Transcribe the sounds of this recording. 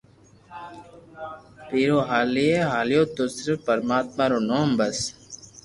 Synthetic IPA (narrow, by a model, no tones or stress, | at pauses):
piːɾoːɦaːlieɦaːlijoːt̪osɪɾfpːɐɾmaːt̪maːɾoːnoːmbɐs